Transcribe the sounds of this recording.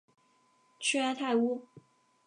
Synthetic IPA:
t͡ʃʰy˥a˥ɪt̪ʰa˥˩ɪu˥

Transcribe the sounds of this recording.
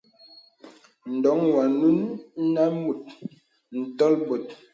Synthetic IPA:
n̩˨dɔ˨˦ŋwa˨nu˦n˦na˦mu˨t̚ | n̩˨tɔ˦lbo˨t̚

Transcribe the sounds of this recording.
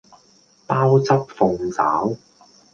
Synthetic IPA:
paː˥wt͡sɐ˥p̚fʊ˧ŋt͡sa̰ː˨˥w

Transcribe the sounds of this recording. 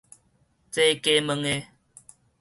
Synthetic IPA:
t͡se˦ke˦mə˧ŋe˦

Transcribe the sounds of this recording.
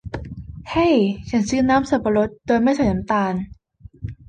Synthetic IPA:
ha˥˩jt͡ɕʰa˦˥nsɯː˦˥naː˦˥msa˨˩pa˧ɾo˦˥t̪̚doː˧nma˥˩jsa˧˩na˨˦mt̪aː˧n

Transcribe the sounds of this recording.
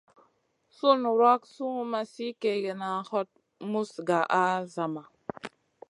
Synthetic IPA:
su˦nu˨ɾa˦ksu˦ŋ˦ma˨si˦ke˨le˨na˨hɔ˦t̚ | mu˦sɡa˨ʔa˦za˨ma˨

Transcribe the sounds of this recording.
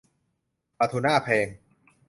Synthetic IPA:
pa˧t̪ʰu˧naː˥˩pʰeː˧ŋ

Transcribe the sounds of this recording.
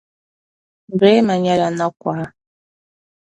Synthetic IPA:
ɾe˦ma˨ɲa˦la˨nɔ˦kʷa˨˦

